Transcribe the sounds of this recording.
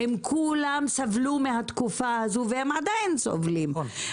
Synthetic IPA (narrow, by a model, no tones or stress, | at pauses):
hemkʰulamsavlumehat̪kufahazuvehemʕad̪ajnso̰vlim